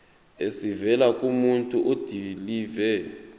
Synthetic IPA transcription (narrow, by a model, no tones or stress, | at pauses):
esivɛlakʼumuntʼuʔod̥ʱiliːvɛ